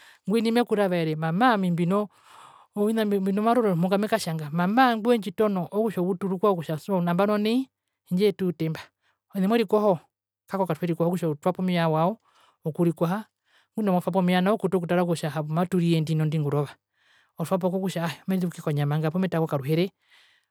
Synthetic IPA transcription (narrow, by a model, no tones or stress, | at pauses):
ŋɡwɛnimɛkuɾaβaɛɾɛmamamimbinɔ | inambinɔmaɾɔɾɔmɔŋɡamɛkaʃaŋɡamamaŋɡwɛɲd͡ʒitɔnɔʔɔkuʃɔβutuɾukwaɔkuʃasɔunambanɔnɛ | iɲd͡ʒɛtutɛmba | ɔnɛmwɛɾikɔhɔ | kakɔkaɾuhɛɾikɔhɔkuʃautwapɔmiawaɔ | ɔkuɾikwaha | ŋɡunɔmɔfap̬ɔmianaɔkutɔk̬utaɾak̬uʃaɦaβumatuɾiɛndinɔndiŋɡuɾɔβa | ɔfap̬ɔkɔkuʃaɔmɛɾiɾukikɔɲamaŋɡapɔmɛtakɔkaɾuɦɛɾɛ